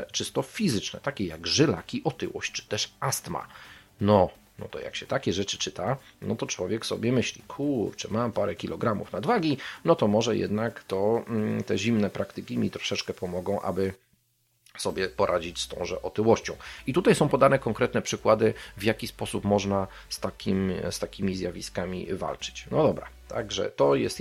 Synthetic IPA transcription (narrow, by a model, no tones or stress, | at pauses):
t͡ʂɘst̪ɔfʲizɘt͡ʂnɛ̰t̪akʲɛjaɡʐɘla̰kʲiʔɔt̪ɘ̰wɔ̰ɕt͡ɕt͡ʂɘ̥t̪ɛʂast̪ma̰ | nɔ | nɔ̰t̪ɔ̰ja̰kɕɛt̪akʲɛʐɛt͡ʂɘ̥t͡ʂɘt̪anɔt̪ɔt͡ʂwɔvʲjɛksɔ̰bʲjɛmɘɕlʲḭkʰuɾt͡ʂɨmampaɾɛkʲilʔɔɡɾamṵfnad̪vaɡʲinɔt̪ɔmɔʐɛjɛ̰d̪nakt̪ɔt̪ɛʑimnɛpɾʔakt̪ɘkʲimʲit̪ɾɔ̥ʂɛt͡ʂkɛpɔmɔɡɔ̃w̃ʔa̰bɘ | sɔbʲjɛpɔɾʔad͡ʑit͡ɕst̪ɔ̰̃w̃ʐɛ̰ʔɔt̪ɘwɔɕt͡ɕɔ̃w̃it̪ut̪ajsɔ̃w̃pɔd̪anɛkɔŋkɾɛt̪nɛpʂɘkwad̪ɘvjakʲispɔsupmɔʐna | st̪akʲʰimst̪akʲimʲizʲjavʲiskamʲḭva̰lt͡ʂɘ̥t͡ɕnɔd̪ɔbɾa̰t̪ʰa̰ɡʐɛ̰t̪ɔjɛst̪